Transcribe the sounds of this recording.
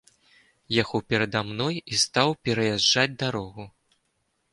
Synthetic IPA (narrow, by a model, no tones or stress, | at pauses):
jaxɔpʲɛɾɐd̪amnɔjist̪awpʲɛɾɐjaʐːad͡zʲd̪aɾɔɣu